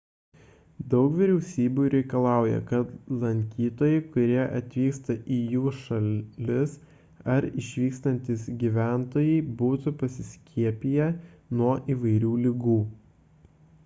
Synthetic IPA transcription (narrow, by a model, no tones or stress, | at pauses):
d̪ɒʊkʋʲiɾʲɛʊsʲiːbʲuːɾʲɛɪkɐlˠɑˑʊjɛ̰kɐt̪lˠɐŋʲkʲiːt̪oːjɛɪkʊɾʲiɛʔɐt̪ʲʋʲiːkst̪ɐʔijuːʃɐlʲɪs | ɐɾɪʃʲʋʲiːkst̪ɐnʲt̪ʲiːsɡʲiʋʲæˑnt̪oːjɛɪbuːt̪ʊpɐsʲɪsʲkʲʰiɛpʲijɛnuɔʔiːʋɐɪɾʲuːlʲɪɡuː